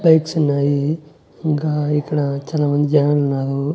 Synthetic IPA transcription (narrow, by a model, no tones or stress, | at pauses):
bɐjksunːaːji | iŋkaːikːɐɽɐt͡ʃaːlaːmɐnd̪id͡ʒɐnɐlunːaːɾu